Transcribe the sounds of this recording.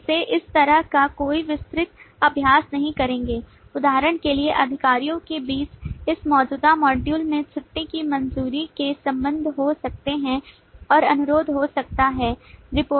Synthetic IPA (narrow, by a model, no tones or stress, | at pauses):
seʔɪst̪ɐɾəɦkakoːiʋɪst̪ɾɪt̪̚ɐbʱjaːsnɐɦĩkɐɾẽːŋɡeː | ʊd̪aːɦəɾəɽ̃kelieʔɐd̪ʱɪkaːɾijõkebiːt͡ʃɪsmɔːd͡ʒuːd̪amɔːɖjuːlmẽt͡ʃʰʊʈːekimɐnzuːɾikesɐ̃mbə̃nd̪ʱɦosɐk̚t̪eɦɛ̃ | ɔːɾɐnʊɾoːd̪ʱɦosɐk̚t̪aɦɛːɾɪpoː